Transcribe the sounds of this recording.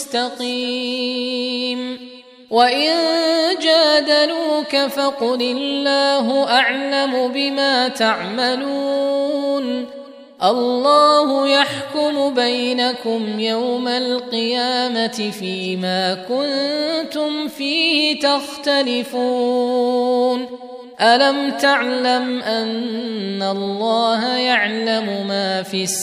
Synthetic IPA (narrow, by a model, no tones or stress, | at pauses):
st̪ɑqiː | m | waʔɪnd͡ʒaːd̪aluːkafaqʊlɪlːaːɦʊʔaʕlamʊbɪmaːt̪aʕmaluːn | ʔɑlːɑːhʊjaħkʊmʊbajnakʊmjawmalqɨjaːmat̪ɪfiːmaːkʊnt̪ʊmfiːhɪt̪axt̪alɪfuː | n | ʔalamt̪aʕlamʔanː | alːɑːɦajaʕlamʊmaːfɪs